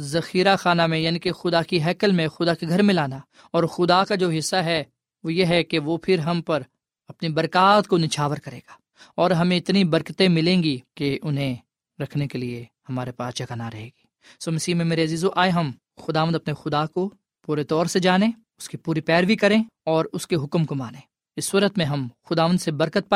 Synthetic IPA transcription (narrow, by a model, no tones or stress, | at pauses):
zɐxiːɾaxaːnamẽjaːniːkexʊd̪akiɦɛːkəlmẽxʊd̪akeɡʱɐɾmɪ̃laːna | ɔːɾxʊd̪akad͡ʒoːɦɪsːaɦɛ | ʋojeɦɛkeʋopʰɪɾɦɐmpɐɾ | ɐpnibɐɾkaːt̪konɪt͡ʃʰaːʋəɾkɐɾḛ̃ːɡḁː | ɔːɾɦɐmẽɪt̪nibɐɾkət̪ẽmɪlẽːŋɡikeʔʊnɦẽ | ɾɐkʰnekeliehɐmaːɾepaːst͡ʃɐkanaɾɐɦeːɡi̥ː | soːmɐsiːɦmẽmeːɾeɐziːzoʔaːeɦɐm | xʊd̪aːʋə̃nd̪ɐpnexʊd̪ako | puːɾet̪ɔːɾsed͡ʒaːnẽ | ʊskipuːɾipɛːɾʋikɐɾẽɔːɾʊskeɦʊkmkomaːnẽː | ɪsːuːɾət̪mẽɦɐmxʊd̪aːʋənd̪sebɐɾkət̪̚paː